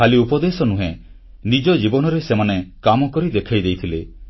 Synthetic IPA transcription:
aliupɔd̪esɔnuɦe | nid͡ʒɔd͡ʒibɔnɔɾesemanekamɔkɔɾid̪ekʰajd̪ejt̪ʰile

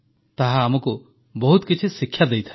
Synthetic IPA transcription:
t̪aɦaːmɔku | bɔɦut̪kit͡ʃʰisikʰːjad̪ejt̪ʰa

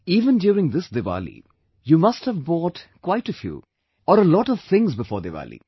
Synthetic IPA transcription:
iːʋə̃ndjuːɾɪ̃ŋd̪ɪsd̪ɪʋa̰ːlḭ | jumʌsthəvbɔːʈkwaɪʈəfjṵː | ɔɾəlɔːʈɔʋ̥t̪ɪ̃ŋzbɪfɔ̰ːɾd̪eʋa̰ːlḭ

